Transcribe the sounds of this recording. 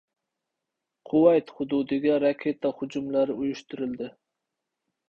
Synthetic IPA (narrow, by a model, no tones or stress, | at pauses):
qʰʊwɑjt̪χʊd̪ud̪ɪɡʲɛɾɑkʲʰet̪ʰɛhʊd͡ʒumlˠæɾɪujuʃt̪uɾɪld̪ɪ